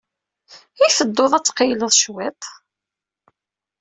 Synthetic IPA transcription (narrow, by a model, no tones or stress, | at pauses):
iθəd̪ːoðˤæt͡sːqəjləðˤʃwæt̪ˤ